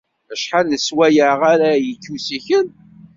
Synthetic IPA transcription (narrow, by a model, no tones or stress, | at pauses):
əʃħanəswæjaʁaɾæjətːusiçən